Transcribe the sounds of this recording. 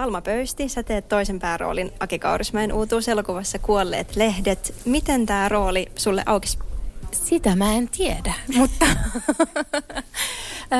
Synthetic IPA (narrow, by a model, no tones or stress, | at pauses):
ɑlmɑpøyst̪isæt̪eːt̪tːoisempæːro̰ːlinʔɑkikɑ̰urismɑenʔuːt̪uːselokuʋɑsːɑkuolːḛːt̪lehdet̪mit̪ent̪æːro̞ːlisulːḛʔɑwki̥ssit̪æmæent̪iedæmut̪ːɑ